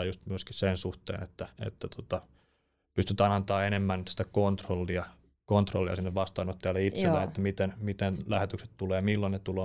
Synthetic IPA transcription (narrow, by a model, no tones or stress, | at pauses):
just̪myøskissensuht̪ḛːnḛt̪ːæḛt̪ːæt̪ʰot̪ɑ | pyst̪yt̪æːnɑnt̪ɑːenemːænsi̥t̪ækont̪rolːiɑ | kont̪ro̰lːiɑ̰sinːeʋʋɑst̪ɑːnot̪ːɑjɑlːeit̪selːæ̰ːnet̪ːæmit̪enmit̪enlæhet̪ykse̥t̪t̪uleːɑmilːonnet̪uloː